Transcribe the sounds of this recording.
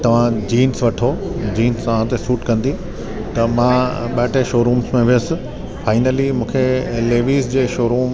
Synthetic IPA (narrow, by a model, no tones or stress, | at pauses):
t̪ɐʋ̤ãd͡ʑiːnsʋɐʈʰod͡ʑiːnsaʋãːt̪esuːʈkɐ̃nd̪i | t̪ɐmãɓɐʈʰeʃoːɾũːmsmẽʋɪjəsɪ̆ | faːɪnəlimũːkʰeleːʋiːzd͡ʑeːʃoːɾuːm